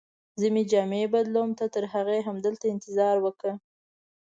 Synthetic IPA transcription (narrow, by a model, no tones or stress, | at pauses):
zəmed͡ʒɑmebad̪lomt̪at̪əɾɦaɣaɦamd̪əlt̪aɪnt̪ɪzɑɾwəkə